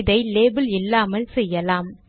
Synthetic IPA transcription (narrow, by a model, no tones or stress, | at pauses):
ðɐɪleːbɪlɪlːaːmɐlsɛjːɐlaːm